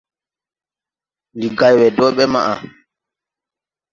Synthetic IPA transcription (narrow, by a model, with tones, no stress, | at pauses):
li˨ɡa˨jwɛ˨dɔː˦ɓɛ˦ma̰˨ʔa˨